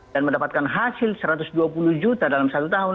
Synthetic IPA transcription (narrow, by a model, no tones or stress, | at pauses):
danməndapat̪̚kanɦasɪlsəɾat̪usduapuluhd͡ʒut̪adalamsat̪ut̪aɦu